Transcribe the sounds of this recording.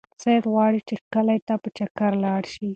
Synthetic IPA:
sejd̪ɣwɑɽit͡ʃekəlajt̪apət͡ʃakaɾlɑɽʃi

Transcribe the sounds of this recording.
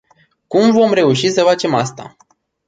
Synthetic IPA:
kumvo̞mɾe̞uʃisəfat͡ʃe̞mast̪a̰

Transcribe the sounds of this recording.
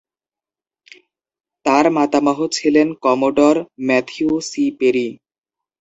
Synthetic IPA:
t̪aɾmat̪amɔɦot͡ɕʰilenkɔmoɖɔɾmɛt̪ʰiusipeɾi

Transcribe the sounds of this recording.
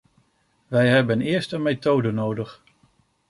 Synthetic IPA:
ʋɛjɦɛbənɪːɹstənmejtowdənowdəχ

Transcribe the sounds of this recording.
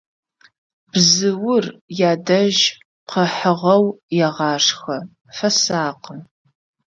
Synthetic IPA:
b̥zɨwʊrjaːdɐʒ | qʰɐħəʁɐwjɛʁɑːʂxɐ | fɐsaːqən

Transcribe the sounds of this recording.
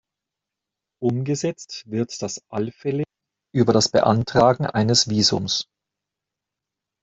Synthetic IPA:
ʔʊmɡəzɛt͡stv̥ɪɐtd̥asʔalfɛlɪ | ʔyːbɐɾasb̥ə̰ʔa̰ntʁ̥aːɡŋ̩ʔaɪnəsv̥iːzʊ̰ms

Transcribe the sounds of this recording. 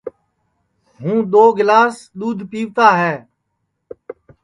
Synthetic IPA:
ɦũːɗ̪oːɡɪlaːs | ɗ̪uːd̪ʱpiːʋt̪aːɦɛː

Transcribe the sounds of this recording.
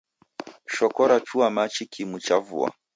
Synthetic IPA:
ʃɔkɔɾat͡ʃuamat͡ʃikʰimut͡ʃavṵa̰

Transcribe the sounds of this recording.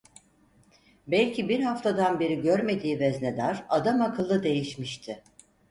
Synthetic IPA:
bɛlʲcʰibiɾhaft̪ʰad̪anbe̞ɾiɟøɾme̞d̪iːvɛzned̪aɾad̪amakʰɯlˠːɯd̪e̞jiʃmiʃt̪ʰɪ

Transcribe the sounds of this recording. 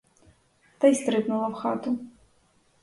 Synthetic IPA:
t̪ajst̪ɾɨp̪nulˠɐwxa̰t̪u

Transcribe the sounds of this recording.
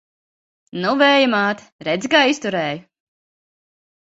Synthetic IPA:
nuvɛːjɨmaːt̪ | ɾɛd̪zʲkaːist̪uɾɛːjʊ

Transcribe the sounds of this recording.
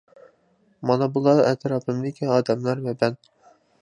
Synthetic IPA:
mɑnɑbulˠɑɛt̪ʰɾɑːpʰɪmd̪ɪkʲʰiɑːd̪ɛmlˠæɾvɛbɛn

